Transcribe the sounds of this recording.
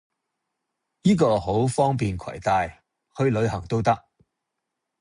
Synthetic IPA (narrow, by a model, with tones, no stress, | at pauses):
jiː˥kɔː˧ho˨˥wfɔː˥ŋpiː˨nkʰɐ̰˨˩jt̪aː˨j | hɵ˨˧ɥlɵ˨˧ɥhɐ˨˩ŋt̪o˥wt̪ɐ˥k̚